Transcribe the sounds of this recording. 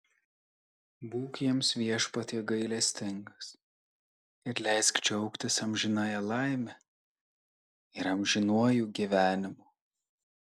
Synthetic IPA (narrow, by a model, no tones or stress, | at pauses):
buːkjiɛmsʋʲiɛʃpɐt̪ʲiːɡɐɪlʲɛsʲt̪ʲɪŋɡɐs | ɪɾlʲɛɪskt͡ʃʲɛʊkt̪ʲɪsɐmʲʒʲɪnɑjɛlˠɐɪmʲɛ | ɪɾɐmʲʒʲɪnuɔjuːɡʲiʋʲæːnʲɪmuː